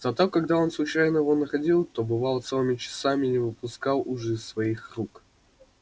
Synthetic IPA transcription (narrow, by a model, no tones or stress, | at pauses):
z̥ɐt̪o̞kɐɡd̪ao̞nslˠʊt͡ɕæjnəjɪvo̞nəxɐdʲilˠt̪obɨvalˠt̪sɛlˠɨmʲɪt͡ɕɪ̥samʲɪnʲɪvɨpʊskalˠʊʐɪsːvɐixruk